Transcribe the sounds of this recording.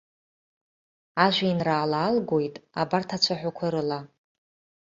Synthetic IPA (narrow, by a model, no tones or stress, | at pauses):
aʒᶣʷainraːlaːlɡʷojtʼabartʰat͡ɕʷʰaħʷᶣakʷʰaɾɨla